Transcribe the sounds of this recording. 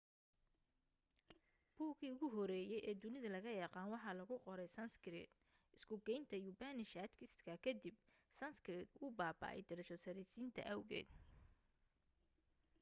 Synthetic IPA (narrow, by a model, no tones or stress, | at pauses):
b̥uːkiːʊɣʊɦɔɾɛːjɛjʔɛːd̪ʊnɪðɐlɐɣɐjɐqɑːnwɑħɑːlɐɣʊqɔɾɛjsɐnskɾɛ̰d̪ | ɪskʰʊɡɛjnt̪ʰɐjubaːnɪʃaːt̪kʰɪst̪kʰɐkʰɐd̪ibsɐnskɾɛd̪ʊbaːbɐ̰ːʔɛ̰jd̪ɪɾɐʃɔsɐɾisiːnt̪ʰɐ̰ʔɐwɣɛ̰ːd̪̥